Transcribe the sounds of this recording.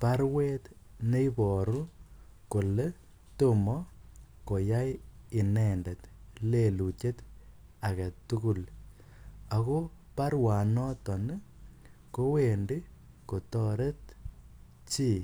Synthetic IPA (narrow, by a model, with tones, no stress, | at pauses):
pa˦ɾwe˦tne˦ibɔ˨ɾu˦ko˨le | to˦mɔ˦ko˨ja˦jɪ˨nɛnde˨tlelu˨t͡ʃe˦t | a˨ɣa˨tu˦ku˨l | a˨ɣo˦ | pa˦ɾwa˨nɔ˦tɔ˨ne | ko˦we˨ndi˦ | ko˨tɔ˦ɾe˦t | t͡ʃi˦